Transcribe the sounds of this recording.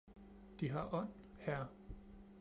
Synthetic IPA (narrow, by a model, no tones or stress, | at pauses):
d̥iɦɑ̈ʔɒ̽n̰hæɐ